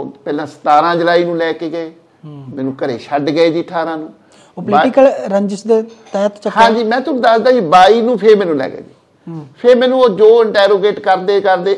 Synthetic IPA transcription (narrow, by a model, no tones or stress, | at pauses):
pɛːlãːsə̥t̪aːɾãːd͡ʒəɾaːiːnũːlɛːkeːɡəeː | mɛ̃ːnũːkəɾḛːʃʰəɖɡəeːd͡ʒiːʈʰaːɾãːnũː | oplaːikəlɾəɲd͡ʒəsd̪et̪ɛːt̪t͡ʃəhaãːd͡ʒiːmɛ̃ːt̪ʊñːd̪əsd̪aːd͡ʒiːbaːiːnũːpʰeɾmɛːnũːlɛ̰ːɡḛːd͡ʒiː | pʰeɾmɛ̃ːnũːoːd͡ʒoːɪɳʈɛːɾoːɡeːʈkəɾd̪eːkəɾd̪eː